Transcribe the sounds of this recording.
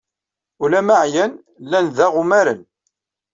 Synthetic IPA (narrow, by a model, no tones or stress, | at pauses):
ulæmaʕjæn | lːænðæʁʊmæɾən